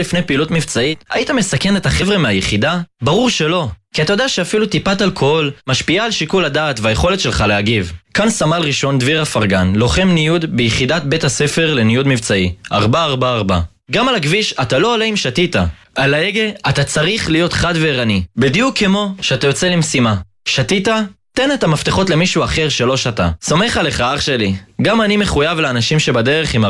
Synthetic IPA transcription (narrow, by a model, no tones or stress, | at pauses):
lifnejpeiːlutmivt͡saita̰jitamesake̞ne̞taχe̞vʁemeajeχidabaʁuʁʃe̞lo̞kiatajod̪eaʃeafilut̪ipatalkʰo̞lmaʃpiaːlʃikuladaːtvajeχo̞letʃelχaleaɡivkansamalʁiʃo̞nd̪viʁhafaʁɡanlo̞χe̞mnijud̪bejiχidat̪̚be̞thase̞fe̞ʁle̞nijud̪mivt͡saiaʁbaːʁbaːʁba̰ | ɡamalaɡviʃatalo̞ːleimʃatita | alaeɡeatat͡saʁiχlijo̞t̪χad̪veːʁanibid̪ijukʰːemo̞ʃeat̪ajo̞t͡se̞limsima | ʃatitat̪e̞net̪amaft̪eχo̞tle̞miʃuaχe̞ʁʃe̞lo̞ʃatasome̞χale̞χaaχʃe̞liɡamanimeχujavleanaʃimʃe̞bade̞ʁeχima